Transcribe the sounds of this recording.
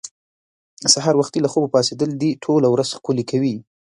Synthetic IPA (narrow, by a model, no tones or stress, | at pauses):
saɦɑɾwaxt̪ilaxobopɑsed̪əld̪iʈʰolawɾaz̥xkulikʰawi